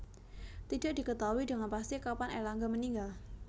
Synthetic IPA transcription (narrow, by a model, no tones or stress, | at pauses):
t̪idaʔdikət̪awidəŋanpast̪ikapanalaŋɡaməniŋɡal